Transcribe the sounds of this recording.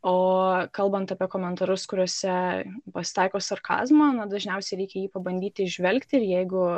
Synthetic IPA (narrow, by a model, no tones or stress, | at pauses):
oːkɐlˠbɐnt̪ɐpʲiɛkoːmʲɛnt̪ɐɾʊskʊɾʲuɔsʲɛpɐsʲɪ̥t̪ɑɪkoːsɐrkʰɑ̰ːzmonɐd̪ɐʒʲnʲɛʊsʲɛɪɾʲɛɪkʲɛjiːpɐbɐnd̪ʲiːt̪ʲɪɪʒʲʋʲɛlʲkt̪ʲɪɪɾjɛɪɡʊ